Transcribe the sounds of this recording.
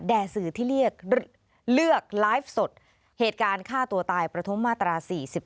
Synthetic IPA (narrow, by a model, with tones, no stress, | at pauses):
dɛː˨˩sɯː˨˩t̪ʰiː˥˩li˥˩ək̚ | lɯ˥˩ək̚laː˦˥jf̚so˨˩t̪̚ | heː˨˩t̪̚kaː˧nkʰaː˥˩t̪u˧ɐt̪aː˧jpɾa˧t̪ʰu˦˥mːaː˥˩t̪ɾaː˧siː˨˩si˨˩p̚